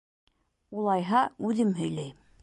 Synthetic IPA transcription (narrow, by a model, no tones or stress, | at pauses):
ulˠɑjɦɑʉðɘmɦɵ̆jlæjm